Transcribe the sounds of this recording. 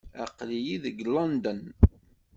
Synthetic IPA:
æqlijiðəɡlɑnd̪ən

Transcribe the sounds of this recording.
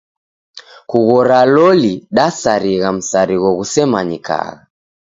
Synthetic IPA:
kuɣɔɾalɔliɗasaɾiɣam̩saɾiɣɔɣusɛmaɲika̰ɣa

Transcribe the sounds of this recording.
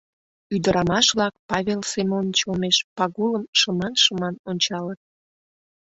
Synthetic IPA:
yd̪əɾɑmɑʃβlɑk̚pɑβelsemont͡ɕolmeʃpɑɣuləmʃəmɑnʃəmɑnonʲt͡ɕɑlət̪̚

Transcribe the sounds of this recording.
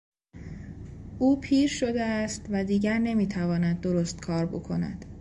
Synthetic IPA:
uːpʰiːɾʃo̞d̪eæst̪væd̪iːɟæɾne̞miːt̪ʰævɒːnæd̪̚ːo̞ɾo̞st̪kʰɒːɾbo̰kʰonæ̰d̪̥

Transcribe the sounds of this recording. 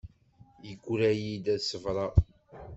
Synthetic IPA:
jəɡʷɾæjid̪æsəvɾˤɑ

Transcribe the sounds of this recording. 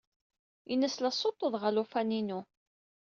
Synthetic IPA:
inəslæsˤot̪ˤːəðˤʁəlufæninu

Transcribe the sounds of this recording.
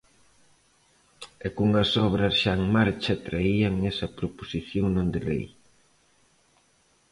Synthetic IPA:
ɛkuŋɐsɔβɾɐsʃaŋmaɾt͡ʃɐt̪ɾaiɐŋɛsɐpɾoposiθjoŋnõnd̪ɪlḛj

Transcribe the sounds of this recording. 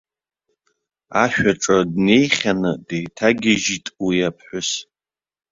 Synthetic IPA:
aʃᶣaʈ͡ʂʼadne̞jχʲanɨdejtʰaɡʲɪʒitʼwijapʰħᶣʷʊs

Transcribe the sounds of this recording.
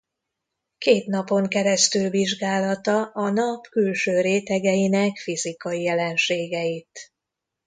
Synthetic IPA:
keːt̪nɒpo̞ŋkɛɾɛst̪ylviʒɡaːlɒt̪ɒʔɒnɒpkylʃøːɾeːt̪ɛɡɛjinɛkfizikɒjijɛlɛnʃeːɡɛjit̪

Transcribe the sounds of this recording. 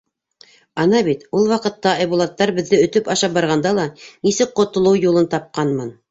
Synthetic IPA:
ɑnɑβit̪ulˠwɑqɤ̆t̪ːɑɑjbulˠɑt̪ːɑɾbɘ̆ðːɘɵ̆t̪ɵpɑʃɑp̚bɑɾʁɑnd̪ɑlˠɑnisɘk̚qŏt̪ŏlˠɤwjulˠɤnt̪ɑp̚qɑnmɤn

